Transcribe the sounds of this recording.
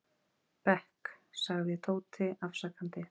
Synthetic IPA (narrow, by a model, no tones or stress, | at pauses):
pɛhksaɣjɛt̪ʰoːwt̪ʰɪafsakant̪ɪ